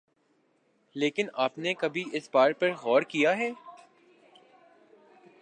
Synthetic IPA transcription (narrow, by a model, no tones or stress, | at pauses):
leːkɪnaːpnekɐbʱiɪsbaːɾpɐɾɣɔːɾkijaɦɛː